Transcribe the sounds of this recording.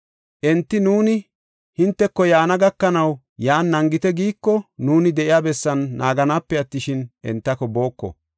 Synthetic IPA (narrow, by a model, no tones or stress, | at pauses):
ʔɛnt̪ːɪnuːnɪ | hɪnt̪ːɛkːɔjaːnɐɡɐkːɐnɐw | jaːnːɐŋɡɪt̪ɛɡiːkːɔnuːnɪd̪ɛʔɪjaːbɛsːɐnːaːɡɐnaːpːɛɐt̪ːɪʃɪnʔɛ̰nt̪ːɐkɔbo̞ːkːɔ̰